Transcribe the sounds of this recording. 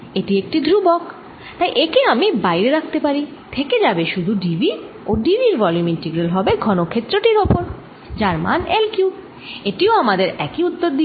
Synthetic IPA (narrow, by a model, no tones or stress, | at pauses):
eʈiek̚ʈid̪ʱɾubɔk | t̪ajʔekeamibajɾeɾakʰt̪epaɾit̪ʰeked͡ʑabeʃud̪ʱuɖibʱi | oɖibiɾvɔljuminʈeɡɾelɦɔbeɡʱɔnokʰet̪ːɾoʈiɾopoɾ | d͡ʑaɾma̰nelkju | eʈioamad̪eɾɛkiut̪ːoɾd̪i